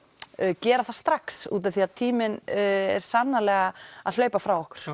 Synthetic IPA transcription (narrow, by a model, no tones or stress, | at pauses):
cɛːɾaθast̪ɾaksṵːt̪aθiaðt̪ʰiːmɪnɛ̰ɾ̥sanːalɛːɣaa̰ðl̥œːɥpafɾawɔhkʏ̥ɾ̥